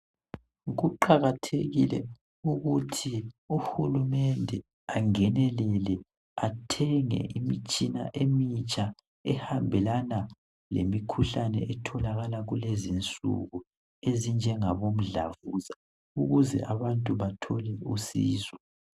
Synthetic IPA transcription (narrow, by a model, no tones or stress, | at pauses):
ɣuǃaɣatʰeɣḭlɛ̰ | uɣutʰiuhulumɛndʱɛ | aŋɛnɛlɛlɛ | atʰɛŋɛ̰ʔimit͡ʃʼina̰ʔemit͡ʃʼa | ɛhambʱɛlana | lḛmikʰuɬanɛ̰ʔɛtʰɔlaɣalaɣulezint͡sʼṵɣu | ezind͡ʒʱɛŋaβom̩ɮa̰vuza | uɣuzɛ̰ʔaβantʼuβatʰɔlɛusiːzwɔ